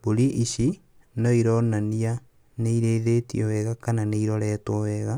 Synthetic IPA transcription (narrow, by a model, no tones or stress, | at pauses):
boɾiʔiʃi | nɔiɾɔnania | neiɾeːðetiɛwɛɣakananeiɾɔɾɛːtwɔwɛɣa